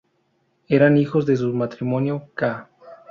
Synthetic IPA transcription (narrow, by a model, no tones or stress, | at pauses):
eɾanixo̞zðe̞s̬umat̪ɾimo̞njoka